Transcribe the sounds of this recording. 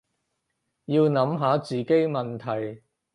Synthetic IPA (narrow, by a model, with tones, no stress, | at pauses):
jiː˧wnɐ˨˥mɦaː˨˥t͡siː˨ke˥jmɐ˨nt̪ʰɐ˨˩j